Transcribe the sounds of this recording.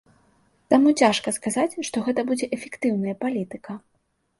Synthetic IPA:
t̪amut͡sʲaʂkɐskazat͡sʲʂt̪ɔɣɛt̪ɐbud͡zʲɛʔɛfʲɛkt̪ɨwnɐjɐpalʲit̪ɨkɐ

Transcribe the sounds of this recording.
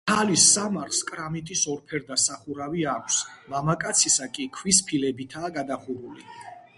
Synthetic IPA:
alisːamaɾχskʼɾamit̪ʼisɔɾpʰɛɾd̪asaχuɾaviakʷʰsmamakʼat̪sʰisakʼikʰwispʰilɛbit̪ʰaːɡad̪aχuɾulḭ

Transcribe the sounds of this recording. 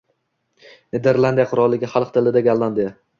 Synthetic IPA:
ned̪e̞ɾlˠand̪ijaqʰʊɾɒlˠːɪɡʲaχalˠqt̪ʰɪlɪd̪aɡʲalːˠand̪ja

